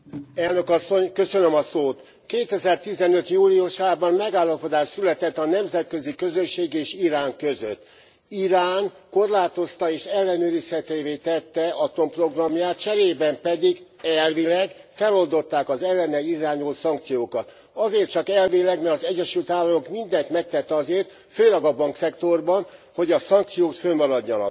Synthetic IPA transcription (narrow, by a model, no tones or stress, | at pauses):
ɛlnøkɒsːo̞ɲkø̞sønømɒsoːt̪ | keːt̪ɛzɛrt̪izɛnøt̪juːliuʃaːbɒmmɛɡaːlːɒpo̞d̪aːʃsylɛt̪ɛt̪ːɒnɛmzɛt̪kø̞zikø̞zøʃːeːɡeːʃiɾaːŋkøzø̰t̪ː | iɾaːŋ | ko̞rlaːt̪o̞st̪ɒeːʃɛlːɛnøːɾishɛt̪eːveːt̪ɛt̪ːɛɒt̪o̞mpro̞ɡrɒmjaːt̪̚t͡ʃɛɾeːbɛmpɛd̪iɡ | ɛlvilɛɡfɛlo̞ld̪o̞t̪ːaːkɒzɛlːɛnɛliɾaːɲoːsɒŋk̚t̪sijoːkɒt̪ | ɒzeːrt̪t͡ʃɒkɛlvilɛɡmɛɾɒzɛɟːɛʃylt̪ʋaːlːɒmo̞kmind̪ɛnt̪mɛk̚t̪ɛt̪ːɛɒzeːrt̪ | føːlɛɡɒbɒŋksɛkt̪o̞rbɒnho̞ɟɒsɒŋk̚t̪sijoːt̪følmɒɾɒɟːɒnɒ̰k